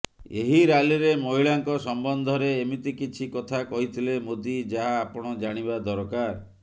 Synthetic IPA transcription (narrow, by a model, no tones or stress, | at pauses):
eɦiɾaliɾemɔɦiɭaŋkɔsɔmbɔnd̪ʱɔɾeːmit̪ikit͡ʃʰikɔt̪ʰakɔɦit̪ʰilemod̪id͡ʒaɦaːpɔɽ̃ɔd͡ʒaɽ̃iβad̪ɔɾkaɾ